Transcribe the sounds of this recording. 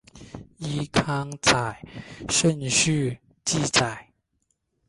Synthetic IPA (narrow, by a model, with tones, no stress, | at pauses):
i˦kʰɑ˥ŋt͡sa˨˩ɪʂə˥˧˨nɕy˥˧ | t͡ɕi˥˨t͡sa˨˩˦ɪ